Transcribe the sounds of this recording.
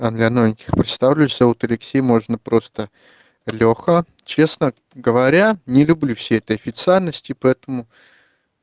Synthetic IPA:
ɐnd̪lʲɐnovʲɪnʲkʲɪ̥xpɾʲɪt̪st̪avlʲɛjsʲɐut̪ɐlʲɪksʲejmo̞ʐnəpɾo̞st̪ə | lʲoxə | t͡ɕe̞snə | ɡəvɐɾʲanʲɪlʲʊblʲufsʲejɛt̪əjɐfʲɪt̪sɨalʲnəsʲtʲɪpɐɛt̪əmʊ

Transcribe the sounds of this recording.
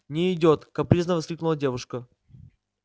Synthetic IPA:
nʲɪɪdʲot̪kɐpɾʲiznəvɐsklʲiknʊlˠədʲe̞vʊʂkə

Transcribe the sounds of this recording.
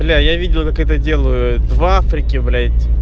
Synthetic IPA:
blʲajavʲidʲɪlˠəkakɛt̪ədʲe̞lˠəjʊd̪vafɾʲɪkʲɪblʲatʲːɪ

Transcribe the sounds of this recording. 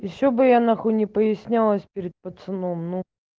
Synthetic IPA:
jɪɕːobɨjanaxunʲɪpəjɪsʲnʲalˠəsʲpʲɪɾʲɪt̪̚pət̪sɨnomnu

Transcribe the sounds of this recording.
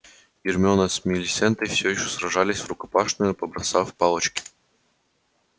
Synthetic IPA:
ɡʲɪrmʲonəsʲmʲɪlʲɪsʲɛnt̪əjfsʲojɪɕːosrɐʐalʲɪsʲvɾʊkɐpaʂnəjʊpəbɾɐsafpalˠət͡ɕkʲɪ̥

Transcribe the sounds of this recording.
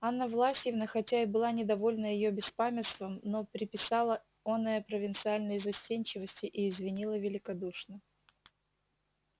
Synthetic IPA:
anːəvlˠasʲtʲjɪvnəxɐtʲaɪbɨlˠanʲɪd̪ɐvo̞lʲnəjɪjobʲɪspamʲɪt̪st̪vəmno̞pɾʲɪpʲɪsalˠə | onəjəpɾəvʲɪnt̪sɨalʲnəjzɐsʲtʲenʲt͡ɕɪvəsʲtʲɪʔɪːzvʲɪnʲilˠəvʲɪlʲɪkɐd̪uʂnə

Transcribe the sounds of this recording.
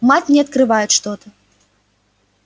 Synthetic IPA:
mat͡sʲnʲɛɐt̪kɾɨvajut͡sʲʂt̪ɔt̪ɐ

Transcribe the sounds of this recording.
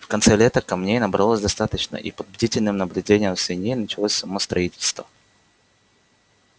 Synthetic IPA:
fkɐnt̪sɛlʲet̪əkɐmnʲejnəbɾɐlˠosʲd̪ɐst̪at̪ət͡ɕnə̰ʔḭpəd̪̚bʲɪdʲitʲɪlʲnɨmnəblʲʉdʲenʲɪjəmsʲɪnʲejnət͡ɕɪlˠosʲsɐmost̪ɾɐitʲɪlʲst̪və̰

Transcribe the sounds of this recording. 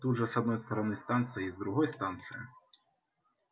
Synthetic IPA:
t̪uʐɛsɐd̪nɔjst̪ɔɾɔnɪst̪ɑnt̪sɨjizd̪ɾuɦɔjst̪ɑnt̪sɨjɪ

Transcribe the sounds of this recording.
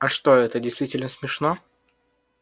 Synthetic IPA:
ɐʂt̪o̞ɛt̪ədʲɪjst̪vʲitʲɪlʲnəsmʲɪʂno

